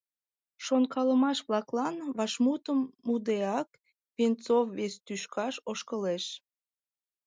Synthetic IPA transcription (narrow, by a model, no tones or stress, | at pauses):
ʃonkɑləmɑʃβlɑklɑnβɑʃmut̪əmːud̪eɑk | pent͡sofːest̪yʃkɑʃoʃkəleʃ